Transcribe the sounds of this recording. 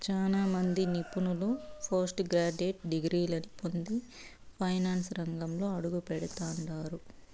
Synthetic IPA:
t͡ʃaːlaːmɐnd̪inipunulupʰɐɾsʈɡɾaːd͡ʒeːʈ̚ɖiɡɾiːlɐnipond̪i | pʰɐjnaːnsɾɐŋɡɐmlo̞ːɐɽuɡupɛɽɐt̪aːɳɖaːɾu

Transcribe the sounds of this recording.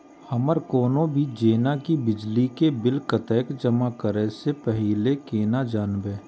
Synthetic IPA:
həməɾkoːnõbʱid͡ʒeːnakibɪd͡ʒlikebɪlkət̪ɛːkd͡ʒəmakəɾesepɛɦilekeːnad͡ʒaːnbeː

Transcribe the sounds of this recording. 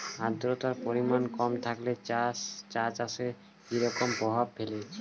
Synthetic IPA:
ad̪ɾot̪aɾpoɾimankɔmt̪ʰakle | t͡ɕat͡ʃaʃe | iɾɔkompɔbʱab̚fele

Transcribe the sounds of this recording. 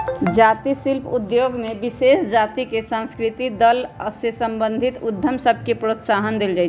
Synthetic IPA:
d͡ʒat̪isilpʰud̪joɡmebisesd͡ʒat̪ikesə̃nskɾit̪id̪əlsesəmbə̃nd̪ʱit̪ud̪ʱːəmsəbʱkepɾot̪saɦənd̪eld͡ʒaɪt͡ʃʰ

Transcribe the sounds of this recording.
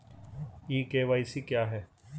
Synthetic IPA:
iːkeːʋaːisikjaːɦɛː

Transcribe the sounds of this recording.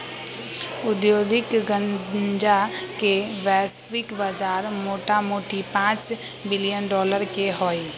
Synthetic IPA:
ʊd̪jod̪ɪkɡəd͡ʒakebɛsbɪkbəd͡ʒaɾmoːʈamoʈipãt͡ʃbɪlijənɖɔːləɾkeɦɔi

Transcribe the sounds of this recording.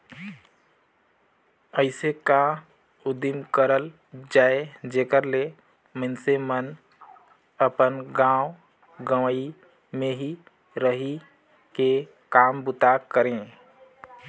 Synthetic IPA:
əɪseka | ʊd̪imkəɾəl | d͡ʒaːed͡ʒeːkəɾle | mənsemən | əpənɡãːwʊ | ɡəʋi | mẽɦi | ɾəɦi | ke | kaːmbʊt̪akəɾẽ

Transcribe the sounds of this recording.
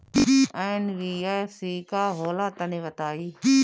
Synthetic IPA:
ɛ̃ːnɾiːaːsiːkaːɦoːlaːt̪ənẽʋɐt̪aːiː

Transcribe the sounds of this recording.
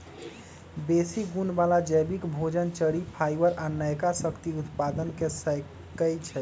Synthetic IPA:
besiɡunbalad͡ʒəbikbʱod͡ʒənt͡ʃəɽipʰajbəɾanəjkasəkt̪iut̪pad̪ənkesə | kəjt͡ʃʰɛ

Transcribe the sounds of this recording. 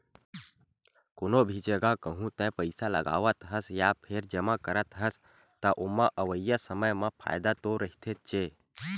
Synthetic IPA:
konobʱid͡ʒeɡakəɦũt̪ɛ̃pəɪsalə̰ɡa̰ːʋət̪ɦəsjapʰeɾd͡ʒəmakəɾət̪ɦəs | t̪əʔomãʔəʋəjjasəməjmãpʰa̰ːjd̪at̪oɾəɦit̪ʰet͡ʃe

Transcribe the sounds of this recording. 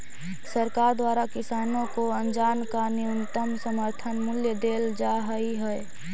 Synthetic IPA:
səɾkaɾd̪waɾakisanõkoənd͡ʒankaniunt̪əmsəməɾt̪ʰənmʊljəd̪eld͡ʒaɦəiɦəe

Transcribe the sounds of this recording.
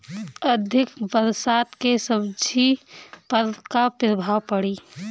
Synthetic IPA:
əd̪ʱɪkbəɾsaːt̪kesəbd͡ʒʱipəɾkapɾəbʱaːwpəɽiː

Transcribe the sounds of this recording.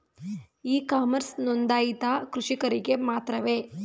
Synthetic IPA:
iːkaːmɐɾsnond̪aːjit̪aːkɾuʂikɐɾiɡe̞maːt̪ɾɐʋeː

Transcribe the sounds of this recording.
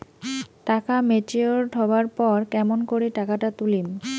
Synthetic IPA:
ʈakamet͡ʃeoɾɖʱɔbaɾpɔɾkɛmonkoɾiʈakaʈat̪ulim

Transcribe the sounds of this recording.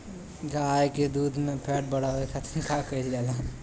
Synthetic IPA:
ɡajked̪uːd̪mẽpʰɛʈ̚bəɽ̤alɛt̪ʰat̪ʰnikakəild͡ʒala

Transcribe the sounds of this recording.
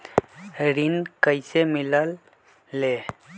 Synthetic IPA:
ɾinkəɪsemɪləlː | eː

